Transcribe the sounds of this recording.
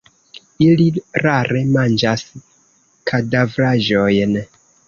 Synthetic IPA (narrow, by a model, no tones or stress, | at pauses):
iliɾaɾʔe̞mand͡ʒas | kʰadavɾaʒo̞jn